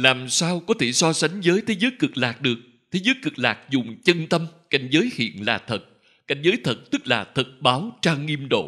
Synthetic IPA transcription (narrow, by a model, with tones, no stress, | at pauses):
laː˨˩msaː˧wkɔ˨˦t̪ʰe˧˩sɔ˧sa˨˦jŋ̟zəː˨˦jt̪ʰe˨˦zəː˨˦jkɨ˨˩k̚laː˨˩k̚ɗɨ˨˩ək̚ | t̪ʰe˨˦zəː˨˦jkɨ˨˩k̚laː˨˩k̚zʊ˨˩ŋ͡mt͡ɕə˧nt̪ə˧mka̰˧˩jŋ̟zəː˨˦jhḭ˧˨ənlaː˨˩t̪ʰə˨˩t̚ | ka̰˧˩jŋ̟zəː˨˦jt̪ʰə˨˩t̚t̪ɨ˦˥k̚laː˨˩t̪ʰə˨˩t̚ɓaː˨˦wt͡ɕaː˧ŋi˧mɗo̰˧˨